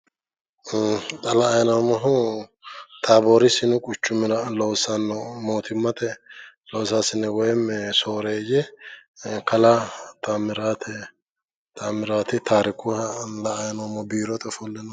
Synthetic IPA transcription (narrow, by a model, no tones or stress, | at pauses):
t̪ʼɐlɐːjnɔmɔɦʊ | t̪ʰaːboːɾɪsɪnʊkʼʊt͡ʃːʊmɪɾɐlɔwsɐnːɔmoːt̪ʰɪmːɐt̪ɛlɔwsaːsɪnːɛwɔjɛmɛso̞ːɾeːjɛ | kɐlat̪amɪɾaːt̪ʰɛ | t̪ʰʼamɪɾaːt̪ɪt̪ʰaːɾɪkʊɐlɐːjnomɔbiːɾɔt̪ɛfɔlːɛnɔ